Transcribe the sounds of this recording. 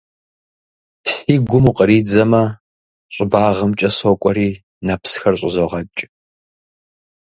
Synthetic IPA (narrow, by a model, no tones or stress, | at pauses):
siːɡʷʊmuqʼəɾiːd͡zɐmɐ | ɕʷʼɪbaːʁɐmt͡ʃʼɐsɔkʷʼɔɾiː | nɐpʰsxɐrɕʼɪzoʁɐt͡ʃʼ